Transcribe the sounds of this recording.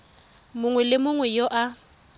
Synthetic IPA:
mʊŋwɛlɪmʊŋwɛjoʔa

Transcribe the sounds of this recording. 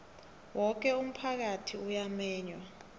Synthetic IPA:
wɔk̬ɛum̩pʰak̬atʰiujamɛːɲwa

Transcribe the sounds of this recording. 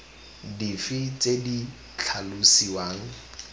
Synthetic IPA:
difɪt͡sʼedi | t͡ɬʰalʊsiwaːŋ̩

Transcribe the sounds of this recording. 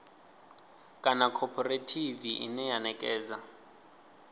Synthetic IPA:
kʼanakʰɔpʰɔretʰiviʔḭnɛjanɛkʼɛːza

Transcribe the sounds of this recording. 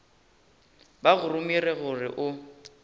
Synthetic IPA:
baɣʊrʊmirɛɣʊrɪʔʊ

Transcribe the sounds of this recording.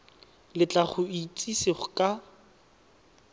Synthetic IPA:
lɪt͡ɬʼaχʊit͡sʼisiχʊkʼa

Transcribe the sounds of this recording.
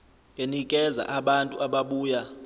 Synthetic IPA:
ŋʱenikʼɛza̰ʔaɓantʼṵʔaɓaɓuːja

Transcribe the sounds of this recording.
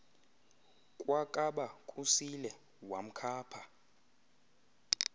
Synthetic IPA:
kʼwakʼaɓakʼusilɛ | wam̩kʰaːpʰa

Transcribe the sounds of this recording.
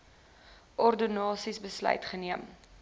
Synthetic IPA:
ʔɔrdinɑːsisbəslœ̰jtχəniəm

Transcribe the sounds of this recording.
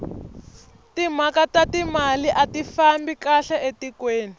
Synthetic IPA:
timakatatimaliʔatifambikaɬɛʔetikweːni

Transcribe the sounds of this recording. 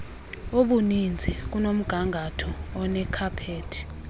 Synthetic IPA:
oɓunind͡zʱik̬unom̩ɡ̥ʱaŋɡʱatʰɔːnɛkʰapʰeːtʰi̥

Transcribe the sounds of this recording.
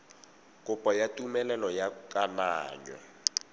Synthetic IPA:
kʼʊpʼɔjatʼumɛlɛlɔjakʼanaːɲɔ̰

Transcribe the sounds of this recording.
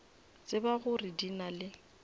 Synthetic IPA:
t͡sʼɪbaɣʊrɪdinalɪ

